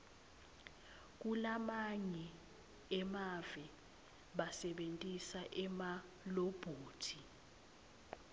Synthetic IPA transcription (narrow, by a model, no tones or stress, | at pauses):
k̬ʼulamaɲɛ | ɛmavɛ | ɓasɛɓentʼisaʔɛma | lob̥ʱoːtʰi